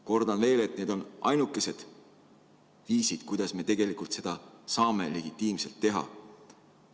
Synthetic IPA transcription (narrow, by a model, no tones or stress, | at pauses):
ko̞rd̪̥ɑnve̞ːle̞t̪̚ne̞ːd̪̥o̞nʔɑjnukːˑe̞se̞d̪̥ | viːsid̪̥kujd̪̥ɑsme̞ːt̪e̞ɡ̥e̞likult̪se̞d̪̥ɑsɑːme̞le̞ɡ̥it̪ːˑiːmse̞lt̪ːe̞ɦɑ̰